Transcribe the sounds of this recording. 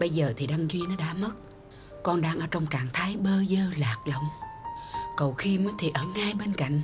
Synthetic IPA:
ɓə˧jzəː˨˩t̪ʰi˨˩ɗa˧ŋzwi˧ənɔ˨˦ɗa̰ː˧˥mə˦˥t̚ | kɔ˧nɗaː˧ŋʔəː˧˩t͡ɕə˧wŋ͡mt͡ɕaː˨˩ŋt̪ʰaː˨˦jɓəː˧zəː˧laː˨˩k̚lə˧˨wŋ͡m | kə˨˩wxi˧mɔ˨˦t̪ʰi˨˩ʔəː˧˩ŋaː˧jɓe˧nka̰˧˨ŋ̟

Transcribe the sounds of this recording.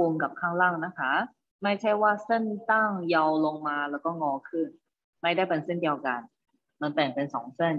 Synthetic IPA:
u˧ŋka˨˩p̚kʰaː˥˩ŋlaː˥˩ŋna˦˥kʰa˦˥ | ma˥˩jt͡ɕʰa˥˩jwaː˥˩se˥˩nt̪a˥˩ŋja˧wlo˧ŋmaː˧lɛː˦˥wkɔː˥˩ŋɔː˧kʰɯ˥˩n | ma˥˩jdaː˥˩jpe˧nse˥˩ndi˧ə˧wka˧n | ma˧npɛː˨˩ŋpe˧nsɔ̰ː˩˦ŋse˥˩n

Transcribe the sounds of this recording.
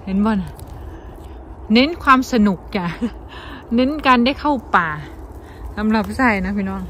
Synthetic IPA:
he˧˥˦nbɔː˧˩na˧˩ | ne˧˦˥nkʰwaː˧msa˧nu˨˩k̚t͡ɕa˧˩ | ne˧˥˨nkaː˧nda˥˩jkʰa˥˩wpaː˨˩ | sa˨˦mla˨˩p̚saː˧˥˩jna˦˥pʰiː˧˩nɔː˧˥˩ŋ

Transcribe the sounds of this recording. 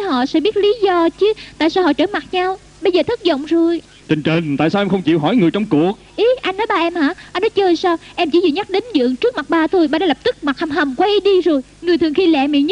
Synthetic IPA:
hɔ̰˧˨sɛ̰˧˥ɓi˦˥ət̚li˨˦zɔ˧t͡ɕɨ˨˦t̪a̰ː˧˨jsaː˧wɦɔ̰˧˨t͡ɕəː˧˩˦ma˨˩t̚ɲa˧w | ɓə˧jzəː˨˩t̪ʰə˦˥t̚zo̰˧˨wŋ͡mzo˨˩j | t͡ɕï˨˩ŋ̟t͡ɕə˨˩nt̪a̰ː˧˨jsaː˧ʔɛ˧xə˧wŋ͡mt͡ɕḭ˧˨wɦɔ˧˩jŋɨ˨˩əjt͡ɕɔ˧wŋ͡mku˨˩ək̚ʔi˨˦ʔa˧jnɔ˨˦jɓaː˨˩ʔɛ˧mha̰ː˧˥ʔaː˧nːɔ˨˦jt͡ɕəː˧jsaː˧wʔɛ˧mt͡ɕi˧˦zɨ̰˧˨˩ɲa˦˥k̚ɗe˨˦nɗɨ̰˧˨əŋt͡ɕɨ˦˥ək̚ma˨˩t̚ɓaː˧˩t̪ʰo˧jɓaː˧ɗa˨˦lə˨˩p̚t̪ɨ˦˥k̚ma˨˩ha˨˩mɦə˨˩mkwa˧jʔi˨˦ɗi˧zo˨˩jŋɨ˨˩əjt̪ʰɨ˨˩əŋxi˧lɛ̰˧˨mḭ˧˨ɲ˦˥

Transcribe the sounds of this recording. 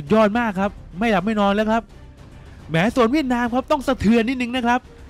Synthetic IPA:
u˨˩t̪̚jɔː˥˩t̪̚maː˥˩kʰːa˦˥p̚ma˥˩jla˨˩p̚ma˥˩jnɔː˧nlɛː˦˥wkʰɾa˦˥p̚ | mɛː˩˦˥su˨˩ənwi˥˩ət̪̚naː˧mkʰɾa˦˥p̚t̪ɔ˥˩ŋsa˧t̪ʰɯ˧ənːi˦˥˩nɯ˧ŋna˦˥kʰɾa˦˥p̚

